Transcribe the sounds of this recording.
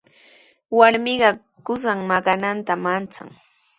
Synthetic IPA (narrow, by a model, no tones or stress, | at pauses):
waɾmɪɢɑ | kʊsaŋmakanant̪amant͡sa̰ŋ